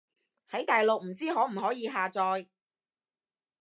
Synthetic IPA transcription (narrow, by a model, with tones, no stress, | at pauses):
hɐ˨˥jt̪aː˨jlo˨k̚m̩˨˩t͡siː˥ɦɔː˨˥m̩˨˩ɦɔː˨˥jiː˨˧ɦaː˨t͡sɔː˧j